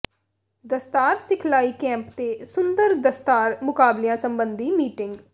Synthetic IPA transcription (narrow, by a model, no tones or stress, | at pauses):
d̪əst̪aːɾsɪkʰlaːiːkɛ̃ːmpt̪eːsʊnd̪əɾd̪əst̪aːɾmʊkaːblijãːsəmbənd̪iːmiːʈɪŋɡ